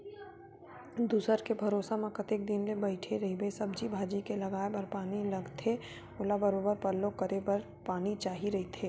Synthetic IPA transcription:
d̪uːsəɾkebʱɐɾoːsamẽkət̪eːk̚d̪ɪnlebɐɪʈʰeɾɐɦibesɐbd͡ʒibʱaːd͡ʒikelɐɡaːebɐɾpaːnilɐɡt̪ʰe | ʊːlabɐɾoːbəɾpɐɾlːõkɐɾebɐɾ | paːnit͡ʃaːɦiɾɐɦit̪ʰeː

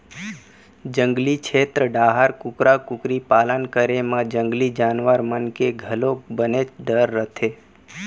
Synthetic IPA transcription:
d͡ʒə̃ŋɡlit͡ʃʰet̪ɾəɖaɦaɾkʊkɾakʊkɾipalənkəɾemãd͡ʒəŋɡlid͡ʒanʋaɾmənkeɡʱəlobənet͡ʃɖəɾːət̪ʰe

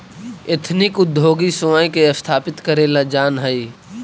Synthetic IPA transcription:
et̪ʰnɪkʊd̪ʱːoːɡisʊmaĩkeɐst̪ʰaːpɪt̪kəɾeːlad͡ʒaːnɦəi

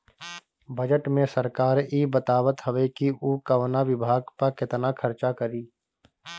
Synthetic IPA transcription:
bəd͡ʒəʈmẽsəɾkaːɾiːbət̪aːbət̪ɦəʋekiʔukəʋnaʋɪbʱaːɡpəɾkɪt̪nakʰəɾt͡ʃakəɾiː

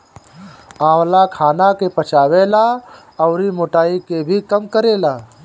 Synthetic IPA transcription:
ãːwlakʰaːnakepət͡ʃaːweːla | ɔʊɾimoːʈaːikebʱikəmkəɾeːlaː

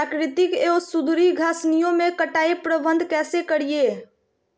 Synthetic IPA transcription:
akɾɪt̪ikeosud̪ɾiɡʱasnijõmekəʈaipɾəbənd̪ʱkɛsekəɾije

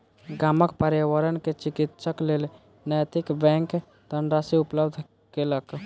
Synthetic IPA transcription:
ɡaːməkpəɾjəwəɾənket͡ʃɪkɪt̪ʃəkleːl | nəjt̪ɪkbɛ̃ŋk | t̪ənɖɾasiʊpləbd̪ʱ | kelək

